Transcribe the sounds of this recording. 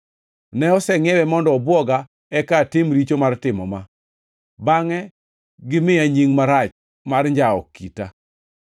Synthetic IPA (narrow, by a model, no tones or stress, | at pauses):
nɛɔsɛŋɛwɛmɔndɔːbwɔɡa | ɛkatɪmɾit͡ʃomartɪmɔma | baŋɛ | ɡɪmɪaɲiŋmaɾat͡ʃ | marɲd͡ʒaɔ̰kːita